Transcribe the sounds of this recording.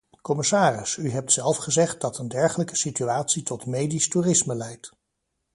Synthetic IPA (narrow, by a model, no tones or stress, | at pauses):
kɔmɪsaːrɪsyɦɛp̚tsɛlˠfχəzɛχt̚dɑtəndɛɹχələkə̥sityaːtsitɔtmejdisturɪsməlɛjt